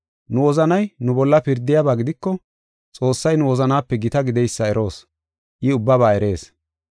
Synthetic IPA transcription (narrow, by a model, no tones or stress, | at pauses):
nʊwɔzɐnɐjnʊbɔlːɐpɪɾd̪ːɪjabaːɡɪd̪ɪkːɔ | t͡sʼo̞ːsːɐjnʊwɔzɐnaːpːɛɡɪt̪ɐɡɪd̪ɛjsːɐɛɾʔo̞ːs | ʔɪʊbːɐβaːɛɾe̞ːs